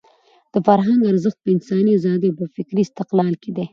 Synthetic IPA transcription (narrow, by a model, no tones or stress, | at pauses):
d̪̥əfaɾɦaŋɡaɾzəxt̪̚pəɪnsɑniazɑd̪epəfɪkɾist̪ɪqlɑlked̪e